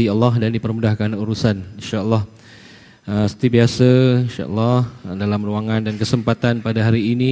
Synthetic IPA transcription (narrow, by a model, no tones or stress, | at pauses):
iəlːɔɦdandipərmudahkanuɾusaninʃaəlːɑh | əsə̥t̪ibiasəinʃa̰ʔə̰lːɔhdalamruaŋãndankəsəmpat̪anpadaɦaɾiːni